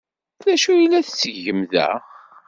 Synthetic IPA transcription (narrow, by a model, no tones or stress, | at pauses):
næʃujilːæθt͡sːəʝəmðæ̰